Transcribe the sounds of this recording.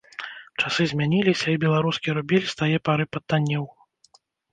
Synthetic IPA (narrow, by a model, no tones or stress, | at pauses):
t͡ʂasɨzʲmʲanʲilʲisʲɐibʲɛlˠaɾuskʲiɾubʲilʲst̪ajɛpaɾɨpɐt̪ːanʲːiw